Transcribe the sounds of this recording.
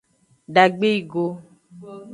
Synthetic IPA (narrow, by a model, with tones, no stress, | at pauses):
ɖa˨ɡ͡be˦i˦˨ɡo˦